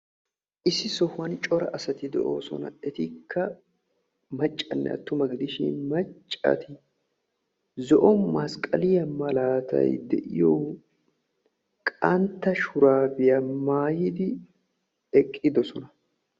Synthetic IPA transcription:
ʔɪsɪsɔhɐnt͡ʃʼɔɾɐ̰ʔɐsɐt̪ɪd̪ɛʔo̰ːsɔ̰nɐ̰ɛt̪ɪkʰːɐ | mɐt͡ʃʼːɐnːɛ̰ɐ̰t̪ːʊmɐɡɪd̪ɪʃɪ̰nmɐt͡ʃʼːɐ̰t̪ɪ | zɔʔɔnmɐskʼɐlɪjɐmɐlaːt̪ɐ̰jd̪ɛ̰ʔɪjɔw | kʼɐnt̪ːɐʃʊɾaːbɪjɐmaːjɪd̪ɪ | ɛkʼːɪd̪ɔsɔnɐ

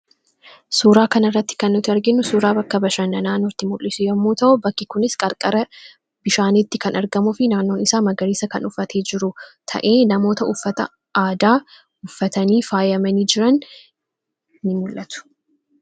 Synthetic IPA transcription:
suːɾaːkɐnɐrːɐt̪ːɪ̥kɐnːʊt̪ɪɐɾɡɪnːʊsuːɾaːbɐkːɐbɐʃɐnːɐnaːnɔt̪ːɪmʊlːɪsʊjɐmːuːt̪ɐʔʊbɐkːɪkʊnɪskʼɐɾkʼɐɾɐ | bɪʃaːnɪt̪ːɪkɐnɐɾɡɐmʊfɪnaːnːo̞ːnɪsaːmɐɡɐɾiːsɐkɐnʊfːɐt̪ʰe̞ːd͡ʒɪɾʊt̪ʰɐ̰ʔe̞ːnɐmo̞ːt̪ɐʊfːɐt̪ɐ̰ | aːd̪aː | ʊfːɐt̪ɐniːfaːjɐmɐniːd͡ʒɪɾɐn | ɪmʊlʔɐt̪ʊ̥

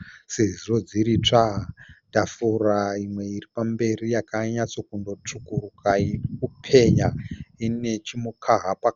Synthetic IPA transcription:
seziro̞d͡ziɾit͡ʂadafuraimwe̞iripambe̞rijakaɲat͡so̞kundo̞t͡ʂukurukaiupʰe̞ɲaine̞t͡ʃimukʰaɦapak

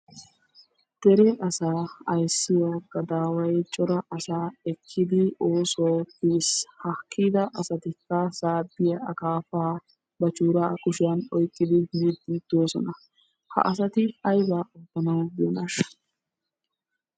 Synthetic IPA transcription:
d̪̥ɛɾɛʔɐsaːɐjsːɪjɐːɡɐd̪aːwɐjt͡ʃʼɔɾɐʔɐsaːɛkʰːɪd̪ɪoːsowpiːshɐkʰːiːd̪ɐʔɐsɐt̪ɪkːɐsaːd̪ːɪjɐɐkaːfaː | bɐt͡ʃuːɾaːkʼʊʃɪjɐnɔjkʼːɪd̪ɪmiːd̪iːd̪̥oːsɔ̰nɐ | hɐ̰ʔɐsɐt̪ɪɐjbaːʔɐbːɐnɐwjonɐʃ

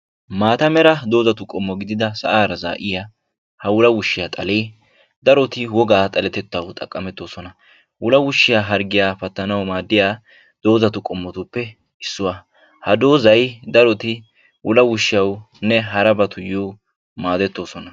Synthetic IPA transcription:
maːt̪ɐmɛɾɐd̪o̞ːzɐt̪ʊkʼɔmːɔɡɪd̪ɪd̪ɐsɐ̰ʔaːɾɐza̰ːʔɪja | hɐwʊlɐwʊʃːɪjaːt̪ʼɐleː | d̪ɐɾɔt̪ɪwɔɡaːt̪ʼɐlɛt̪ɛt̪ːɐwt̪ʼɐkʼːɐmɛt̪ːo̞ːsɔnɐ | wʊlɐwʊʃːɪjaːɦɐɾɡɪjaːpɐt̪ːɐnɐwmaːd̪ːɪjaː | d̪̥o̞ːzɐt̪ʊkʼɔmːɔt̪ʊpːɛ | ɪsːʊwa | hɐd̪o̞ːzɐjd̪ɐɾɔt̪ɪ | wʊlɐwʊʃːɪjɐw | nɛɦɐɾɐbɐt̪ʰʊjuː | maːd̪ɛt̪ːo̞ːsɔnɐ

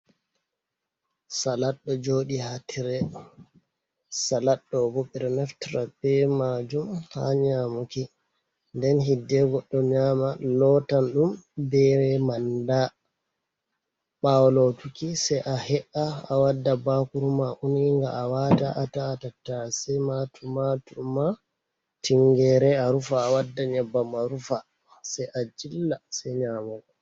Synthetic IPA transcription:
salaɗːɔd͡ʒoːɗihatʰiɾɛ | salaɗːɔboɓɛɾɛnɛftɾabɛmad͡ʒumha̰ɲaːmuki | ndɛnɦidːɛɡɔɗːɔɲaːmalɔtanɗumbɛɾɛmanda | ɓawlotukisɛjʔahɛʔaːwadːabakuɾumaʔuniŋɡaawata̰ʔataːtatːasɛmatʰumatuma | tiŋɡɛɾɛaɾufaːwadːaɲɛbːamaɾufa | sɛjʔad͡ʒilːasɛɲaːmukɔ

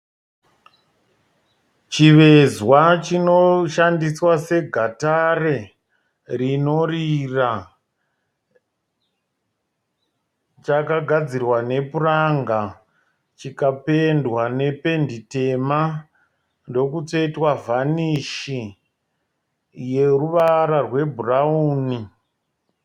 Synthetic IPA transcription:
t͡ʃiʋe̞zwat͡ʃino̞ʃandiswase̞ɡʱatare | rino̞rira | t͡ʃakaɡʱad͡zirwane̞puraŋɡa | t͡ʃikape̞ndwane̞pe̞ndite̞ma | ndo̞kut͡soitwavʱaniʃi | je̞ruʋaɾarwe̞bʱurauːni

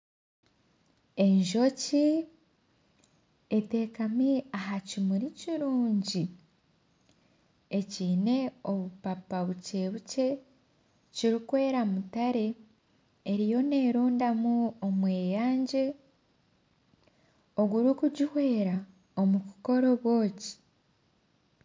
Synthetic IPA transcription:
e̞ɲʒo̞ci | ete̞ːkamiaɦacimuɾiciɾuːɲɟi | e̞ciːne̞o̞βupapaβuce̞ːβuce̞ | ciɾikwe̞ːɾamutaɾe̞ː | ɾijo̞ne̞ːɾuːndamuomwe̞ːjaːɲɟe̞ | o̞ɡuɾukuɟihwe̞ːɾa | o̞mukuko̞ɾo̞βwo̞ːci̥

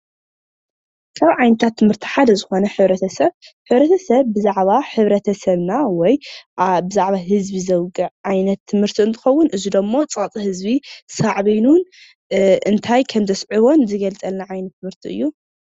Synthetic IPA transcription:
kʰaβʕajnɐt̪ʰat̪ʰːɨmhɨɾt̪ʰi̥ħad̪ɐzɨxo̞nɐħɨβɾɐt̪ʰɐsɐβħɨβɾɐt̪ʰɐsɐβːɨzaʕβaħɨβɾɐt̪ʰɐsɐβnawɔjbɨzaʕβaɦɨzbizɐwɡʼɨʕʕajnɐt̪ʰːɨmhɨɾt̪ʰiɨnt̪ʰɨ̥xɐwːʊnʔɨzid̪omːo̞t͡sʼat͡sʼihɨzbisaʕβinun | ʔɨnt̪ʰajkʰɐmzɐsʕiβo̞nzɨɡɐlt͡sʼɐlnaʕajnɐt̪ːɨmhɨɾt̪ʰiʔɨ̰jːu

